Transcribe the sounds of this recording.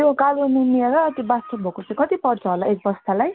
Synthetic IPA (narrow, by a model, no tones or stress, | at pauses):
okaloninieɾʌːt̪ibasʰʌbʱokot͡saĩkʌt̪ipʌrt͡sʰʌɦolaesbʌst̪ʰalaj